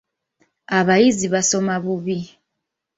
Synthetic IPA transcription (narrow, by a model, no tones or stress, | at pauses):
aβajiziβasomaβuβi